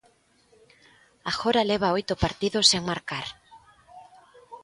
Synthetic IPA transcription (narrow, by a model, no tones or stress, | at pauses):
axoɾaleβ̞aojt̪ʊpaɾt̪iðoseŋmaɾkaɾ